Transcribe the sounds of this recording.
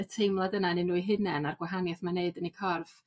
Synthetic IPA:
ətʰejmlˠadənanɪnuːiɦɨnɛnarɡ̥waɦanjaθmaneɨdənikʰɔrv̥

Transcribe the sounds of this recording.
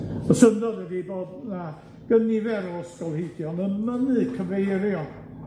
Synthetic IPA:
ɔsəndɔðɛdiboːdna | ɡ̥ənivɛɾɔəskɔlˠhedjɔnəmənɨkʰəvejɾjɔn

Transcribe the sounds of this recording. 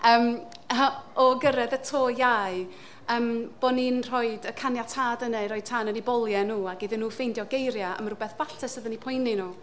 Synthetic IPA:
əːm | ɔɡəɾɛðətʰoːjaj | əːmb̥ɔninr̥ɔɨdəkʰanjatʰaːdənɛɾɔjd̥̚tʰanənibɔlˠjɛnuːaɡiðɪnːuːfejndjɔɡejɾjaə̰maɾʊbɛθvaɬtʰɛsəðənipʰʊjninuː

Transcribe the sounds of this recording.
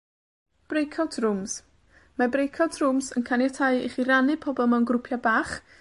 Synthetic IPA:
b̥rejkʰawtʰrʊms | mabrejkʰawtʰrʊmsənkʰanjatʰajɪ̰χiɾanɨpʰɔbɔlˠmɛwnɡrʊpʰjabaːχ

